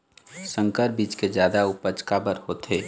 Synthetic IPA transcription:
sə̃ŋkəɾbiːt͡ʃked͡ʒjaːd̪aʊpəd͡ʒkabəɾhot̪eː

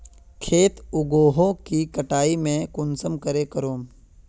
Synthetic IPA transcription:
kʰeːt̪ʊɡoːɦõkikɐʈaːimẽkʊnsəmkəɾekəɾoːm

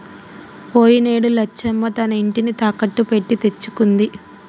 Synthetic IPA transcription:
po̞ːjineːɽulɐt͡ʃːɛmːɐt̪ɐnɐiɳʈinit̪aːkɐʈːupe̞ʈːit̪e̞t͡ʃːu̥kund̪i

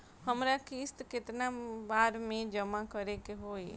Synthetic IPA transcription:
həmɾakʰiːst̪kɪt̪ɪnabaːɾmẽd͡ʒəmakəɾekeɦoːe

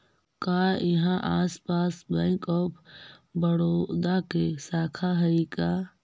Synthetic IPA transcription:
kaːjɦãʔaːspaːsbɛ̃ːŋkɔːpʰbəɽoːd̪akesaːkʰaɦəika

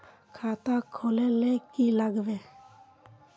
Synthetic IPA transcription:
kʰaːt̪akʰolelekilaɡbe

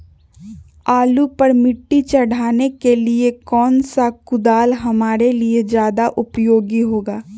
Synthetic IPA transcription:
aːlupəɾmɪʈːit͡ʃɐɽ̤aːnekeliekɔːnsakʊd̪aːlɦɐmaːɾelied͡ʒjaːd̪aʔʊpjoːɡiɦoːɡaː

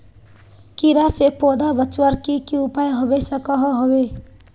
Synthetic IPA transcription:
kiɾasepoːd̪abət͡ʃwəɾkikiʊpaːjɦobesəkaɦɔɦobe

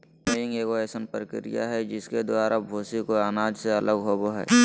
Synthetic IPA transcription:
meːɪ̃ŋeːɡoɛːsənpɾəkɪɾɪ̰ja̰ɦɛd͡ʒɪsked̪ʊaːɾabʱoːsikoaːnaːd͡ʒseɐləɡɦoːboɦɛ̰ː

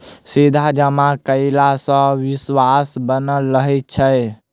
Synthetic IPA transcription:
sid̪ʱad͡ʒəmakəɪlasə̃ʋiswasbənəlːəɦɛt̪̚t͡ʃʰə

